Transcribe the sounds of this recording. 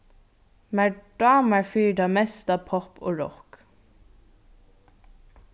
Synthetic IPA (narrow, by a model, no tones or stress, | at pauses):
mæɖ̥ɑməɹfyːɖɑːmɛst̪ɑːpʰɔpʰo̰ːɹɔ̰k